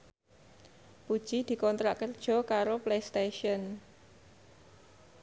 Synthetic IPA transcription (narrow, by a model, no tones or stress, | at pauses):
pud̥ʒ̥i̤d̪̥i̤kɔnt̪ɾaʔkːərd̥ʒ̥ɔ̤kaɾoplest̪eʃiɔn